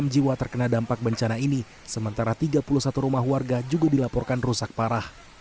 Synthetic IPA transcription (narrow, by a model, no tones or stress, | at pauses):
md͡ʒiwat̪ərkənadampak̚bəɲt͡ʃanaini | səmənt̪aɾat̪iɡapulusat̪uɾumaɦwarɡad͡ʒuɡadilapɔrkanrusak̚paɾah